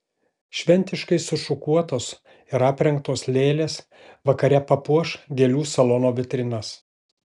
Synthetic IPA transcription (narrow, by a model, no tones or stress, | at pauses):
ʃʲʋʲɛnʲt̪ʲɪʃkɐɪsʊʃʊkuɔt̪oːs | ɪɾɐːpʲɾʲɛŋkt̪oːslʲeːlʲeːs | ʋɐkɐɾʲɛpɐpuɔʃɡʲelʲuːsɐlˠɔːnoːʋʲɪt̪ʲɾʲɪnɐs